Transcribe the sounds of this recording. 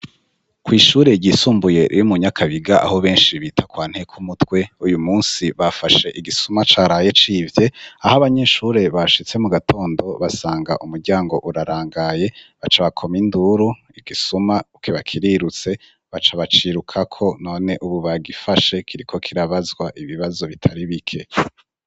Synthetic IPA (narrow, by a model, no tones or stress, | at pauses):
kwiːʃuːɾe̞ɟisuːmbuje̞ʔjumuɲakʰaβiɡaʔa̰ho̞βe̞ːnʃiβiːtʰakwaːn̥he̞kʰumutwe̞ujumuːnsiβafaʃe̞ʔiɡisumat͡ʃaːɾaje̞t͡ʃiːvje̞ahaβaɲe̞ʃuɾe̞βaʃit͡se̞muɡatʰo̞ːndo̞βasaːŋɡa̰ʔumuɾɟaːŋɡo̞̰ʔuɾaɾaːŋɡaje̞βat͡ʃaβakʰo̞minduɾu | iɡ̥isumaukʰiβakʰiɾiɾut͡se̞ | βat͡ʃaβat͡ʃiɾukʰakʰo̞no̞ːne̞ʔuβuβaɡifaʃe̞kʰiɾikʰo̞kʰiɾaβazɡwaʔiβiβazo̞βitʰaɾiβikʰe̞